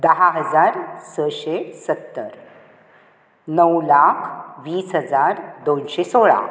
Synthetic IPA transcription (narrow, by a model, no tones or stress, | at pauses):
d̪əɦaɦəd͡zaɾsəɕesət̪ːəɾ | nəwlakʰʋiːsɦəd͡zaɾd̪onɕesoɭa̰